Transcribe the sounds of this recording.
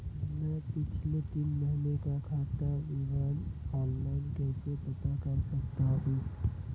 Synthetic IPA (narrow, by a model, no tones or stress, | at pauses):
mɛ̃pɪt͡ʃʰlet̪inməɦinekakʰaːt̪aiʋaːnɔːnlaːɪnkɛːsepət̪akəɾsəkt̪aɦũː